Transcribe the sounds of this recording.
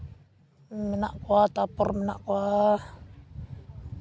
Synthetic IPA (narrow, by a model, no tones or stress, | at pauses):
minaʔkuat̪apɔrmina̰ʔkua